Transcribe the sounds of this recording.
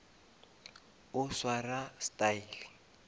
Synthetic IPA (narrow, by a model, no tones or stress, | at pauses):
ʊswarastaiːli